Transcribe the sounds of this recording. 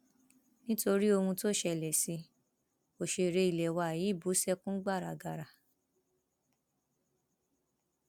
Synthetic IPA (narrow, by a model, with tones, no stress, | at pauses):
nĩ˦to˧ɾi˦o˧hũ˧to˦˨ʃɛ˧˨lɛ˨si˧ | o˨ʃe˧˨ɾe˧i˨lɛ˨wa˧a˨ji˨˦˨bu˨˦sɛ˦kũ˦ɡ͡ba˦˨ɾa˨ɡa˧˨ɾa˨